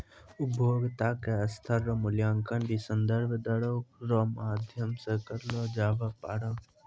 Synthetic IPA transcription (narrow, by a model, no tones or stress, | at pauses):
ʊbʱjoːɡt̪aːkeɐst̪ʰəɾːɔmʊljaːŋkənbisənd̪əɾbʱəd̪ɐɽokɾomaːd̪ʱjəmsekɐɾloːd͡ʒaːʋapaːɽaː